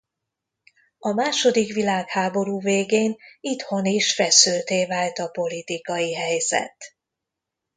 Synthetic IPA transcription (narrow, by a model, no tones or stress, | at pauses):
ɒmaːʃo̞d̪ikʋilaːkhaːbo̞ɾuːveːɡeːnit̪ho̞niʃfɛsylt̪eːvaːlt̪ɒpo̞lit̪ikɒjiɦɛjzɛ̰t̪